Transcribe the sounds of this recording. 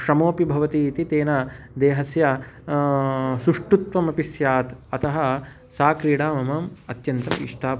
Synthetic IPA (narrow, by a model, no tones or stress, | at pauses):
ʃɾɐmoːpibʱɐʋɐt̪iːt̪it̪eːnɐ | d̪eːɦɐsjɐ | sɾuʂʈut̪ʋɐmɐpisjaːt̪ɐt̪ɐɦɐ | saːkɾiːɽaːmɐmɐmɐt̪jɐnt̪ɐ̰mḭʂʈʰaː